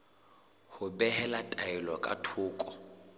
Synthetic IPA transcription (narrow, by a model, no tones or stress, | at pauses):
hʊbɛhɛlatʼaɛlɔkʼa̰tʰʊːkʼɔ